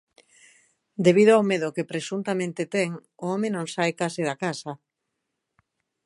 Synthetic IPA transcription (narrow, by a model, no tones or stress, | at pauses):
d̪eβiðoawmeðʊkepɾesunt̪amẽnt̪et̪ɛŋʊomenõŋsajkasɪðakasɐ